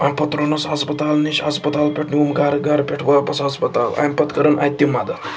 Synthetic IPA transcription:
ãpɐt̪ɾonɐsɦɐspɐt̪aːlniʃɦɐspɐt̪aːlpʲeʈʰniumɡaːɾɡaɾpʲeʈʰʋɐpɐsɦɐspɐt̪a̰ːla̰ːmʲpɐt̪kɐɾənʔa̰ːjt̪ːimad̪ɐ

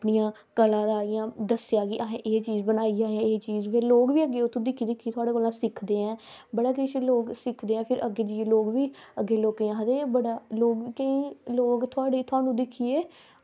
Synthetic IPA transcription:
əpɳijãː | kəlãːd̪aːijãːd̪əsɪjaːkɪʔaɦẽʔeːt͡ʃiːzbənaːiːd͡ʒaːɛːeːt͡ʃiːzpeːloːɡʋiːəɡːeːʊt̪ʰːõːd̪ɪkʰːiːd̪ɪkʰːiːt̪ʰʊaːɽaːkoːlãːsɪkʰd̪eːɛ̃ːbəɽaːk̬eʃloːɡsɪkʰd̪eːɛ̃ːpʰɪɾəɡːeːd͡ʒiːeːloːɡʋiːəɡːeːloːkeːãːɦəd̪eːbəɽaːloːɡikeĩːloːɡt̪ʰʊaːɽeːt̪ʰʊaːnũːd̪ɪkʰːiːeː

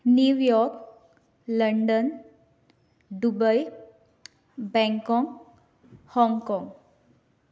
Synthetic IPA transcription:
njujɔɾk | ləɳɖən | d̪ubəj | bɛ̃ŋkɔŋɡ | hɔŋkɔ̃ŋɡ

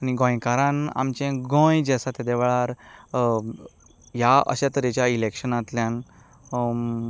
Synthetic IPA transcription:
aniɡɔ̃jkaɾãna̰mt͡ɕẽɡõjd͡ʑɛsat̪ad̪eʋɭaɾ | ɦjaʔə̰ɕat̪ɾet͡ɕjailekɕənat̪ljãn

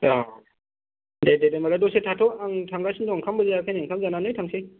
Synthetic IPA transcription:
a | dededemaladɔsetʰatʰɔaŋtʰaŋɡasindɔŋkʰambazaakʰajneŋkʰamzananɯjtʰaŋsej

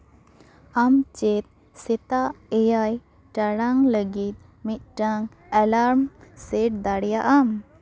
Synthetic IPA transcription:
amt͡ʃɛt̪̚ | sɛt̪aʔɛjaj | ʈaɽaŋləɡit̪̚ | mit̪̚ʈaŋ | ɛlaɾmsɛʈ̚d̪aɽjaʔam

